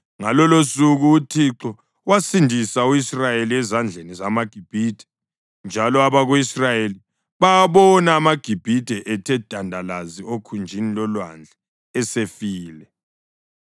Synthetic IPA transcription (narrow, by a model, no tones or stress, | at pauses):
ŋa̰lɔlosuɣuːtʰiǁɔ | wasindʱisauisrajeliɛzand͡ɮʱenizamaɡ̥ʱib̥ʱid̥ʱɛ̥ | nd͡ʒʱalɔaβaɣuisrajeli | βaaβɔnaːmaɡ̥ʱib̥ʱid̥ʱɛʔɛtʰɛd̥ʱandʱalaziokʰund͡ʒʱinilɔlwand͡ɮʱɛ | ɛsefiːlɛ